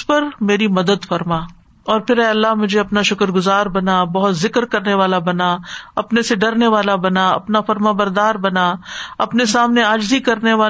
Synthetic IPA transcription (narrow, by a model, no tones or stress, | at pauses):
pɐɾmeːɾimɐd̪əd̪fɐɾmaː | ɔːɾpʰɪɾɛːɐlːaɦmʊd͡ʒʱeɐpnaʃʊkəɾɡʊzaːɾbɐnabɐɦʊt̪zɪkɾkɐɾneʋaːlabɐnaɐpneseɖɐɾneʋaːlabɐnaɐ̰pnafɐɾmãːbɐɾd̪aːɾbɐnaɐpnesaːmneaːd͡ʒzikɐɾneʋaː